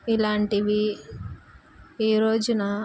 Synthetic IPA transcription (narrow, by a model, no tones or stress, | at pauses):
ilaːɳʈiʋi | iːɾoːd͡ʒunɐ